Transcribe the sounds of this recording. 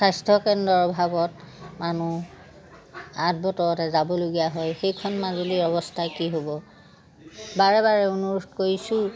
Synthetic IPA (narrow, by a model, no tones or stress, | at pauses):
sajstʰɔkɛndɔɹbʱabɔt | manu | at̚bɔtɔɹɔtɛzabɔloɡijaɦɔjxejkʰɔnmazuliɔbɔstʰakiɦobɔ | baɹɛbaɹɛunoɹutkoɹisʊ̃